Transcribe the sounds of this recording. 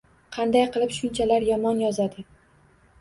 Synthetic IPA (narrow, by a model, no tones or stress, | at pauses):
qʰɑnd̪ajqɨlˠɪpʃʊnt͡ʃʰalaɾjɒmɒnjɒzad̪ɪ